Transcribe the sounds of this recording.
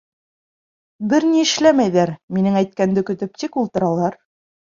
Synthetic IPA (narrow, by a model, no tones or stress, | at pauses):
bɘɾniɘ̆ʃlæmæjðæɾminɘŋæjt̪̚kænd̪ɘkɵ̆t̪ɘp̚t̪ikulˠt̪ɤ̆ɾɑlˠɑɾ